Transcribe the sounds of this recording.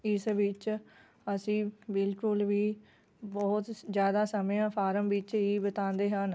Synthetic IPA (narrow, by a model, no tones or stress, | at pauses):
ɪsʋɪt͡ʃ | əsĩːbɪlkʊlʋiː | bɔːt̪zjaːd̪aːsəmjãːpʰaːɾəmʋɪt͡ʃiːbət̪ãːnd̪eːɦən